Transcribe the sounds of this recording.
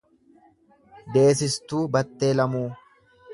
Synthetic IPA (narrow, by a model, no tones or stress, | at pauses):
d̪e̞ːs̬ɪst̪uːbɐt̪ːe̞ːlɐmuː